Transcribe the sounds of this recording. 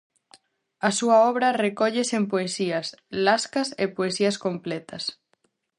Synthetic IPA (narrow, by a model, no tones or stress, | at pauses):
ɐsuɐɔβɾɐrekɔʎesempoesiɐslaskɐsepoesiɐskomplɛt̪ɐs